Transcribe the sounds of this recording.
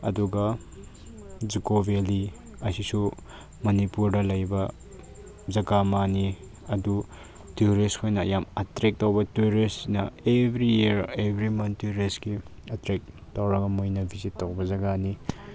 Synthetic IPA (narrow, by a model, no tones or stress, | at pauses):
ɐ̰duɡɐ | d͡ʒikobʱeli | ɐsisu | mɐnipuɾdɐlɐjbɐ | zɐɡamani | ɐdu | tuɾiskʰojnɐːjamɐtɾek̚towbɐtuɾisinɐebʱɾijiɾebʱɾimɐntuɾisɡi | ɐtɾek̚towɾɐɡɐmojnɐbʱizitːowbɐzɐɡani